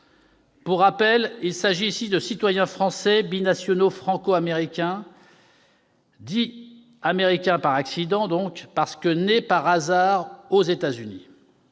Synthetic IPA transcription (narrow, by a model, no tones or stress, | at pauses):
puʁːapɛlilsaʒiːsid̪əsit̪wajɛ̃fχɑ̃sɛbinasjɔnofχɑ̃koameʁikʲɛ̃ | d̪i | ameʁikʲɛ̃paʁaksid̪ɑ̃d̪ɔ̃kpaʁsə̥kənepaʁazaʁozet̪azyni